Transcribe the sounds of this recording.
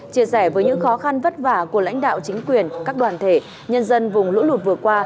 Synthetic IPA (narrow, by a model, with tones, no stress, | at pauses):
t͡ɕi˧˩əsɛ˧˩vəː˨˦jɲɨ̰˧˥ŋxɔ˨˦xa˧nvə˦˥t̚vaː˧˩ku˧˩əla̰˧˥ŋ̟ɗa̰ː˧˨wt͡ɕï˨˦ŋ̟kwi˨˩ənkaː˦˥k̚ɗwaː˨˩nt̪ʰe˧˩ | ɲə˧nzə˧nvʊ˨˩ŋ͡mlṵ˧˥lu˨˩t̚vɨ˨˩əkwaː˧